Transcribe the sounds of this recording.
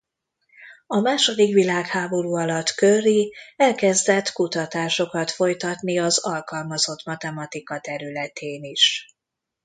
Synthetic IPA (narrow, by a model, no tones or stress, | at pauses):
ɒmaːʃo̞d̪ikʋilaːkhaːbo̞ɾuːɒlɒt̪kørːiɛlkɛzd̪ɛt̪ːkut̪ɒt̪aːʃo̞kɒt̪fo̞jt̪ɒt̪niɒzɒlkɒlmɒzo̞t̪mɒt̪ɛmɒt̪ikɒt̪ɛɾylɛt̪ʰeːniʃ